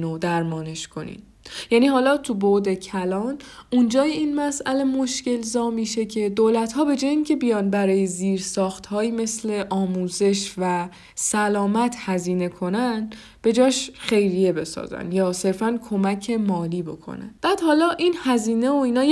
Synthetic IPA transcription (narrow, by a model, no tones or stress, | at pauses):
nod̪æɾmɒːne̞ʃkʰo̞nḭn | jæniːhɒːlɒːt̪ʰubod̪e̞cʰælɒːnund͡ʒɒːjeiːnmæsʔæle̞mo̞ʃce̞lzɒːmiːʃe̞cʰe̞d̪oːlæt̪hɒːbe̞d͡ʒɒːjiŋcʰe̞bijɒnbæɾɒːje̞ziːɾsɒːxt̪hɒːjiːme̞sle̞ʔɒːmuːze̞ʃvæ | sælɒːmæt̪ʰhæziːne̞kʰo̞næn | b̥e̞d͡ʒɒːʃxe̞jɾije̞be̞sɒ̰zæ̰njɒːse̞ɾfænkʰo̞mæcʰe̞mɒːliːbo̞̰kʰo̰næ̰nb̥æːd̪̥hɒːlɒːʔinhæziːne̞oiːnɒː